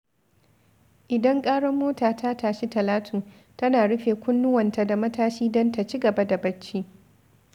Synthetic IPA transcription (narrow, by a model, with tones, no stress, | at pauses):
ʔɪ˨dɐ˦ŋkʼaː˦ɽɔ˦mːoː˦taː˨tʰa˦tʰaː˨ʃi˦tɐ˨laː˦tʰuː˨ | tɐ˦naː˨ɽʊ˦ɸeː˨kʷʊ˦nːʊ˦wɐ˨nta˨da˨mɐ˦taː˦ʃiː˦dɔ˦nta˨t͡ʃi˦ɡɐ˨ba˦da˨bɐ˦t͡ʃːiː˦